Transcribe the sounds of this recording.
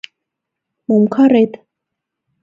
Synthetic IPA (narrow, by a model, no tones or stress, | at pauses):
mɔmkʰaɾɛd̪